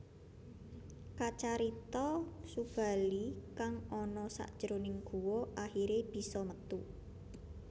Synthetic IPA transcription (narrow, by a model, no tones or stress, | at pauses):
kat͡ʃaɾit̪ɔsub̥a̤likaŋɔnɔsa̰ʔd̥ʒ̥əɾonɪŋɡ̥ṳwɔʔahiɾeb̥i̤sɔmət̪u